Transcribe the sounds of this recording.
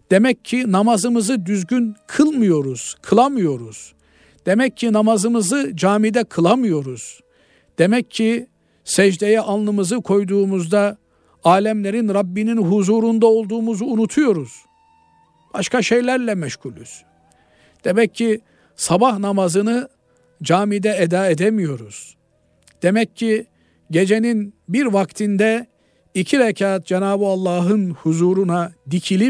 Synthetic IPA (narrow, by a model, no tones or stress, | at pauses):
d̪̥e̞mɛcʰːinamazɯmɯzɯd̪yzɟynkʰɯlˠmɯjo̞ɾuz̥kʰɯlˠamɯjo̞ɾuz̥ | d̪̥e̞mɛcʰːinamazɯmɯzɯd͡ʒaːmid̪ɛkʰɯlˠamɯjo̞ɾuz̥ | d̪̥e̞mɛcːʰi | sɛʒd̪ejɛʔanlˠɯmɯzɯkʰo̞jd̪uːmuzd̪a | aːlʲɛmlʲe̞ɾinɾabːininɦuzuːɾund̪ao̞lˠd̪uːmuzuːnut̪ʰujo̞ɾuz̥ | b̥aʃkʰaʃe̞jlʲæɾlʲɛmɛʃɡulʲys | d̪̥e̞mɛcʰːi | sabahnamazɯnɯ | d͡ʒaːmid̪ɛed̪aːed̪emijo̞ɾuz̥ | d̪̥e̞mɛcːi | ɟe̞d͡ʒe̞ninbiɾvakt̪ʰind̪ɛ | icʰiɾecʰaːt̪̚d͡ʒenaːbɯalˠːaːɦɯnhuzuːɾunad̪icʰilʲip̚